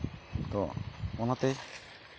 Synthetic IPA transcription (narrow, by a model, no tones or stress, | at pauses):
t̪ɔmɔnat̪ɛ